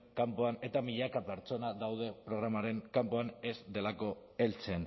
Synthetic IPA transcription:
kampoane̞t̪amiʎakape̞ɾt͡so̞naðawð̞e̞pɾo̞ɣɾamaɾe̞ŋkampoane̞zd̪e̞lako̞e̞lt͡sen

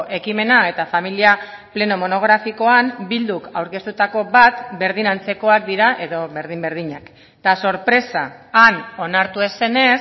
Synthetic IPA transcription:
ʔe̞kime̞nae̞t̪afamilia | ple̞no̞mo̞no̞ɣ̞ɾafiko̞ambild̪ukawɾke̞st̪ut̪ako̞βat̪be̞ɾðinant͡se̞ko̞ak̚d̪iɾaʔe̞ðo̞βe̞ɾð̞imbe̞ɾð̞iɲak | t̪aso̞ɾpɾe̞saːno̞naɾt̪ue̞se̞ne̞s

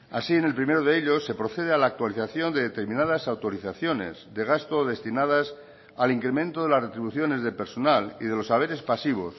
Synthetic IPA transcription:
asiene̞lpɾime̞ɾoð̞eeʎo̞sːe̞pɾo̞θe̞ð̞ealaːk̚t̪waliθaθjo̞nd̪e̞ðet̪e̞ɾmĩnaðasawt̪o̞ɾiθaθjo̞ne̞̰zd̪e̞ɣ̞ast̪oðe̞st̪inaðas | aliŋkɾe̞mẽnt̪o̞ðe̞lazre̞t̪ɾiβuθjo̞ne̞zðelpe̞ɾso̞nalḭðe̞lo̞saβ̞e̞ɾe̞spasiβ̞o̞s

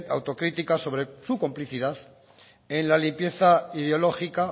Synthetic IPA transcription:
t̪a̰wt̪o̞kɾit̪ikaso̞β̞ɾesukompliθiðaθ | e̞nlalimpje̞θaiðeo̞lo̞xika

